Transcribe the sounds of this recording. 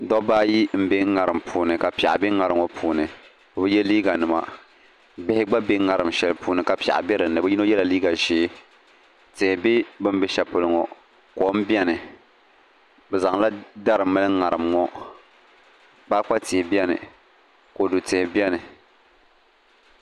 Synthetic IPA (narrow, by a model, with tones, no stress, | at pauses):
dɔ˦baː˦ji˦m̩˦be˦ŋ˦ŋa˨ɾɨ˨mpʰuː˨nɨ˨ka˨pa̰˨ʔa̰˨bɪ˦ŋa˨ɾɨ˨˦ŋɔ˨pʰuː˨nɨ˨ | ko˨bɨ˦jɛ˦liː˦ɡa˨nɨ˨ma̰˨ | bɪ˦hɪ˦ɡ͡ba˦be˦ŋa˨ɾɨ˨mʃɛ˨lpuː˨˦nɨ˨ka˨pa̰˨ʔa̰˨bɛ˦ɾɨ˨nːɨ˨bɨ˦ji˦no˦jɛ˦la˨liː˦ɡa˨ʒeː˨˦ | tɪ˨hɪ˨bɪ˦bɨ˦m˦bɛ˦ʃɛ˨pɨ˨lɨ˨ŋɔ˨ | ko˨˦m̩˦bi˦ɛ˦nɨ˨ | bɛ˨za˨ŋla˦da˦ɾɨ˨˦mɨ˦lɨ˦ŋa˨ɾɨ˨mŋɔ˦ | baː˦k͡pa˦tɪ˨hɪ˨bi˦ɛ˦nɨ̰˨ | ko˨du˨tɪ˨hɪ˨bi˦ɛ˦nɨ˨